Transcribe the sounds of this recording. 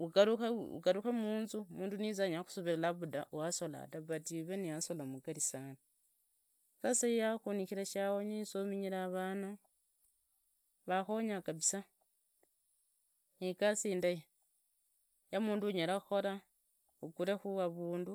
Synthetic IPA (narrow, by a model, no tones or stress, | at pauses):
uɡaɾuxaṵɡaɾuxamuːnzumuːndunizaɲaxu̥soβilaβuda̰ʔwaso̞la̰taβatiβenijasolamuɡaɾisani | kasajijaxunixiɾaʃawoɲisomiɲiɾaːβaːna | βaxoɲakaβisa | nikasiːndaje | jamuːnduɲeɾaxo̞ɾa | ukuɾexuβaβuːndu